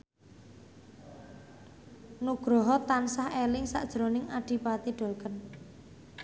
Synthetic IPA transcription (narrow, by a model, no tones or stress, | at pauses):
nuɡ̥ɾɔɦɔt̪ansahelɪŋsa̰ʔd̥ʒ̥ɾo̤nɪŋaɖ̥i̤pat̪iɖ̥o̤lkən